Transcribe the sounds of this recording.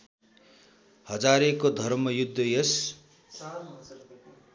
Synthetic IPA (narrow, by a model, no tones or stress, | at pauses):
hʌd͡zaɾekod̪ʱʌrmʌjud̪ʱːʌjʌs